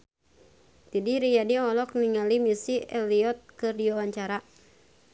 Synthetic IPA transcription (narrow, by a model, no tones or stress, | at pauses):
t̪idiɾijadiɔlɔk̚niŋalimisiɛliɔt̪̚kɨrdiwawaɲt͡ʃaɾa